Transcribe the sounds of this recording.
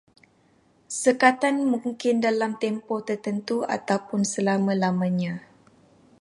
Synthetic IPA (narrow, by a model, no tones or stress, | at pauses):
səkat̪anmũŋkɪndalamt̪ɛmpɔt̪ərt̪ənt̪ua̰t̪awpʊnsəlamãlamãɲã